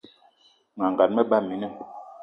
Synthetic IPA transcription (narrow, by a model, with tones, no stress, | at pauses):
ŋa˨ŋɡa˨n̚mɛ˦ɓa˦˨mi˨nɛ˦˨m